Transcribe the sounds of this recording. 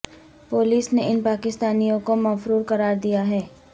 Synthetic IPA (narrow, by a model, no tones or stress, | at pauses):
poːliːsneʔɪnpaːkɪst̪aːnijõkomɐfɾuːɾkɐɾaːɾd̪ijaɦɛː